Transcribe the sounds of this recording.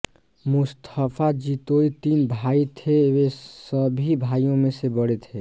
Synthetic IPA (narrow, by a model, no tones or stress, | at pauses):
mʊst̪ʰəpʰad͡ʒit̪oit̪iːnbʱait̪ʰeesəbʱibʱaijõmẽsebəɽet̪ʰe